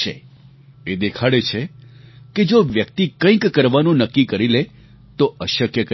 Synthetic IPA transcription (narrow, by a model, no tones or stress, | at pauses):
ḛ | ed̪ekʰaɽet͡ʃʰeked͡ʒoʋjəkt̪ikə̃ĩkːəɾʋanũnəkːikəɾile | t̪oəʃəkjəkə